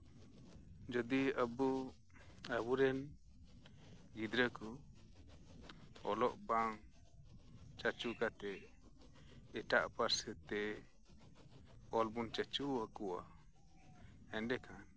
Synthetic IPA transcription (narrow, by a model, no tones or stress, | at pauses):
d͡ʒɔd̪iəbu | abuɾɛn | ɡid̪ɾəku | ɔ̰lɔʔbaŋ | t͡ʃat͡ʃukat̪ɛ | ɛʈa̰ʔpaɾsət̪ɛ | ɔlbunt͡ʃat͡ʃuwakuwa̰ | ɛnɖɛkʰan